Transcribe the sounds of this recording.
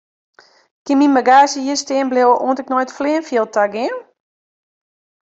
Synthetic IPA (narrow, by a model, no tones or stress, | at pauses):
kɪminmaɡaːsjəjəstɪːənblewəʔoəntɪk̚nojtfleənfiəlˠtʰaɡɪən